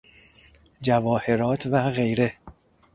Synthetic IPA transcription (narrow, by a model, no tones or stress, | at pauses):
d͡ʒævɒːhe̞ɾɒːt̪ʰvæɣe̞jɾe̞